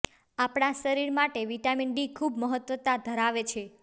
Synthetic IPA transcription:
apɽaʃəɾiɾmaʈeʋiʈaminɖikʰubməɦət̪ʋət̪ad̪ʱəɾaʋet͡ʃʰe

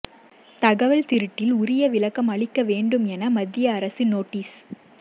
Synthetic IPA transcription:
t̪ɐɣɐʋɐɭt̪ɪɾɯʈːɪlʊɾɪjɐʋɪlɐkːɐmɐɭɪkːɐʋeːɳɖɯmɛnɐmɐd̪ːɪjɐːɾɐsinoːʈːiːs

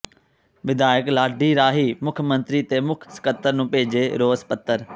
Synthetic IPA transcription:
ʋɪd̪aːjəklaːɖʱiɾaːɦimʊkʰəmə̃nt̪ɾit̪emʊkʰskət̪ːəɾnũːpeːɪd͡ʑeɾoːzpɐt̪ːəɾ

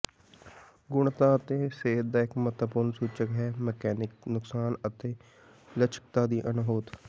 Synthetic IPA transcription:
ɡʊɳt̪ãːət̪eːseːt̪̚d̪aːɪkmət̪əpʊɾnsuːt͡ʃəkɦɛːməkɛːnɪk̚nʊksaːnət̪eː | lət͡ʃʰə̥k̚t̪aːd̪iːʔənɦoːt̪

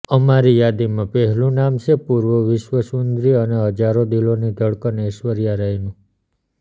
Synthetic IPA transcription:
əmaɾijad̪imãpɛɦɛlũnamʃʰepuɾʋəʋɪʃʋəsund̪ɾiəneɦəd͡ʒaɾod̪ilonid̪ʱəɭkəneʃʋəɾijaɾajnũ

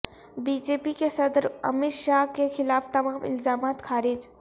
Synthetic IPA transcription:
biːd͡ʒeːpikesɐd̪ɾɐ̰mɪɾʃaːɦkexɪlaːft̪ɐmaːmɪ̰lzaːmaːt̪xʰaːɾɪd͡ʒ

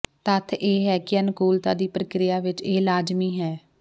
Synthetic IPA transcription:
t̪ət̪ʰeːɦɛːkɪənkuːlt̪aːd̪iːpɾəkɾɪjaːʋɪt͡ʃeːlaːd͡ʒmiːɦɛː

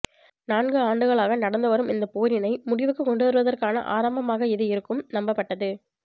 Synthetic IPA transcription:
naːnɡɯaːɳɖɯɣɐɭaːɣɐnɐɽɐnd̪ɐʋɐɾɯmɪnd̪ɐpoːɾɪnɐɪmʊɽɪʋɯkːɯkːɔɳɖɯʋɐɾɯʋɐðɐrkaːnɐ̰ʔa̰ːɾɐmbɐmaːɣɐɪðɯɪɾɯkːɯmnɐmbɐpːɐʈːɐðɯ

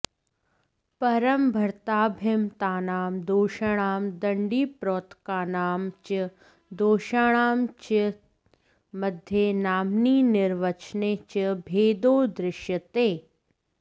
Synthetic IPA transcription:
pɐɾɐmbʱɐɾt̪aːbʱemt̪aːnaːmd̪oːʃɐɽ̃aːmd̪ɐɳɖiːpɾoːt̪kaːnaːmt͡ʃə | d̪oːʃaːɽ̃aːmt͡ʃə | mɐd̪ʱjenaːmniːnɪɾʋɐt͡ʃneːt͡ʃəbʱeːd̪oːd̪ɾɪʃjət̪eː

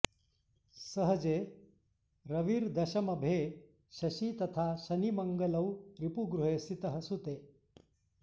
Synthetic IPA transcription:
səɦəd͡ze | ɾəʋiːɾd̪ɐɕɐmɐbʱe | ɕɐɕit̪ɐt̪ʰaɕɐniməŋɡələwɾipuɡɾuɦesit̪əɦəsut̪e

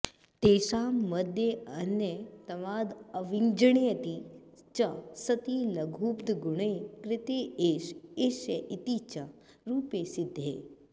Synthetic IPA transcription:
t̪eːʃaːɐd̪ʱjeɐnjet̪ɐʋaːd̪ɐʋiŋd͡ʒɐɳ̃iɐt̪i | t͡ʃɐsɐt̪ilɐɡʱuːpd̪ɡuɳeːkɾɪt̪eːeːʃeːʃjɐʔit̪it͡ʃɐ | ɾuːpeːsid̪ʱːḛː

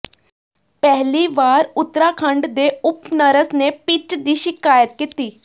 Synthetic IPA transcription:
pɛɦliʋaːɾʊt̪ːɾakʰə̃ɳɖd̪eʊpnəɾəsnepɪt͡ʃd̪iːʃɪkaːjət̪̚kit̪iː

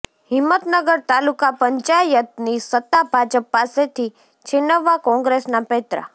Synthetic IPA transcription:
ɦɪmːət̪nəɡəɾt̪alukapəɲt͡ʃajət̪̚nisət̪ːabʱad͡ʒəpːaːset̪ʰi | t͡ʃʰenːəʋakɔ̃ŋɡɾesnapet̪ɾa̰

